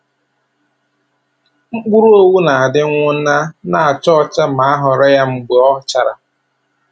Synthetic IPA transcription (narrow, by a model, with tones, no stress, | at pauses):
ŋ͡m̩˦k͡pu˦ɾu˦o˦wu˦na˨a˨dɪ˦ŋʷʊ˦n̩˦na˦na˨a˨t͡ʃɔ˦t͡ʃa˦ma˨a˦ɦʊ˨ɾɔ˦ja˦ŋ͡m̩˨ɡ͡be˨ɔ˦t͡ʃa˨ɾa˨